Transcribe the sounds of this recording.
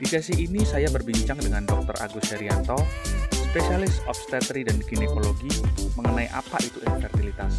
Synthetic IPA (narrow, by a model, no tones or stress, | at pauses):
d̥isɛsiːnisajabərbiɲt͡ʃaŋdəŋandɔk̚t̪ɔra̰ɡusɛɾiant̪ɔspesialɪsɔp̚st̪ɛt̪ɾidanɡinekoloɡiːt̪uməŋənaiʔa̰pa̰ʔit̪uinfɛrt̪ilit̪as